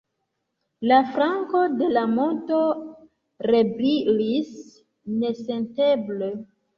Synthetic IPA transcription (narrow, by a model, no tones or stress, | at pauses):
lafɾaŋko̞de̞lamo̞nto̞ | re̞bɾilis | ne̞se̞nte̞ble